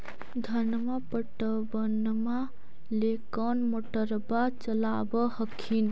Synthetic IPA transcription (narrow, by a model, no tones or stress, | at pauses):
d̪ʱənmapəʈəbən | ma | lekənmoʈəɾbat͡ʃəlabəhəkʰin